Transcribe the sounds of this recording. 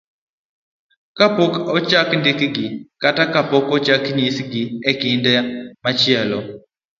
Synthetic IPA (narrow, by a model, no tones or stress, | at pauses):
kapɔkɔt͡ʃakndɪkɡɪkatakapɔkɔt͡ʃakɲisɡɪɛkɪndɛmat͡ʃɪɛlɔ